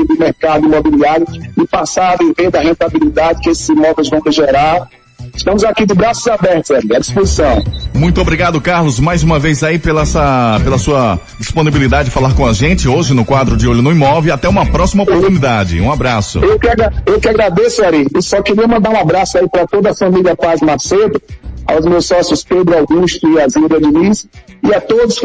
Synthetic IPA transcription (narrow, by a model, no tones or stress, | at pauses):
id̪ʊmeɾkad̪ʊimobiliaɾjʊɪpasaɾɐviveɾd̪ɐhẽnt̪abilid̪ad͡ʒɪkɪesɪzĩmɔvewzvɐ̃w̃ɦɪʒeɾaɾ | ɪʃt̪ɐ̃mʊzakid͡ʒɪbɾasʊzabɛɾt̪ʊzaɾiɐd͡ʒispuzsɐ̃w̃mũj̃t̪ʊobɾiɡad̪ʊkaɾlʊzmajzũmɐvejzaipelɐɛsɐpelɐsuɐ | d͡ʒisponibilid̪ad͡ʒɪd͡ʒɪfalaɾkõaʒẽt͡ʃɪoʒɪnʊkwad̪ɾʊd͡ʒɪoʎʊnɐ̃ĩmɔvɪat̪ɛũmɐpɾɔsimɐopoɾt̪unid̪ad͡ʒɪ̰ũabɾasʊ̰ewkɪaɡɾaewkɪaɡɾad̪esʊaɾiɪsɔkɪɾiɐmɐ̃nd̪aɾũabɾasʊaipɾɐt̪od̪ɐfɐ̃miliɐpazmaɾsed̪ʊa̰wzmewsɔsjʊsped̪ɾʊawɡuʃt̪ʊɪazeɾɐd͡ʒɪnisɪat̪od̪ʊs